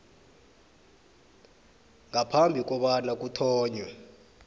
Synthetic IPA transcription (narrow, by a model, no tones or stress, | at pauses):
ŋapʰambʱik̬ʼɔɓanak̬ʼutʰɔːɲwɛ